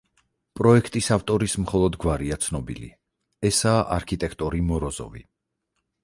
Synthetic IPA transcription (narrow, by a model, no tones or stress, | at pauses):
pʼɾɔɛkʰt̪ʼisaft̪ʼɔɾismχɔlˠɔd̪ɡwaɾiat̪sʰnɔbḭlḭ | ɛsaːʔaɾkʰit̪ʼɛkʰt̪ʼɔɾimɔɾɔzɔ̰vḭ